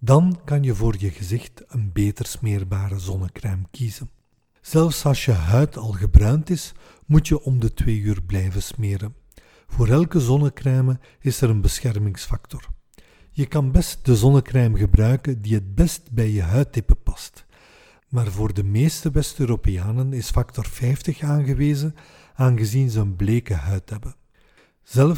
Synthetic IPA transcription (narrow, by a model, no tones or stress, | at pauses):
dɑnkɑnjəvoːrjəɣəzɪxtənbeːtərsmeːrbaːɾəzɔnəkrɛːmkizən | z̥ɛlˠfsɑlˠsjəɦœɥtʰɑlˠɣəbrœːntɪs | mutjəʔɔmdətweːyːrblɛjvəsmeːɾən | v̥oːɾɛlˠkəzɔnəkrɛːmə | ɪsəɾənbəsxɛrmɪŋsfɑk̚tɔr | jəkɑnbɛst̚dəzɔnəkrɛːmɣəbrœɥkəndiɦət̚bɛstbɛjjəɦœɥtːɪpəpɑ̥st | maːrvoːrdəmeːstəʋɛstøːɾoːpejaːnənɪsfɑktɔrfɛjftəxaːnɣəʋeːzə | aːnɣəzinzəənbleːkəɦœɥtɦɛbə | z̥ɛl